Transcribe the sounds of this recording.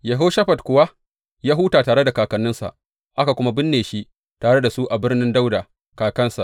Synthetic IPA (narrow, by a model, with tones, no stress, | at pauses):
jɐ˨ɦo˦ʃɐ˦ɸɐ˨tkʷʊ˨wa˦ | jaː˦ɦuː˦taː˨taː˨ɽe˦da˨kaː˨kɐ˨nːʊ˦nsa̰˨ʔ | ʔa˦ka˨kʷʊ˦ma˦bɪ˦nːeː˨ʃi˦ʔ | taː˨ɽe˦da˨su˦ʔa˨bɪ˦rnɪ˦nda˦wda˨ | kaː˨kɐ˦nsa˨ʔ